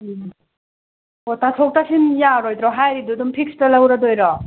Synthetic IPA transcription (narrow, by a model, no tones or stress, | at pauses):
otatʰok̚tasinjaɾojd̪ɾɔɦajɾidudumpʰik̚stalawɾadojɾɔ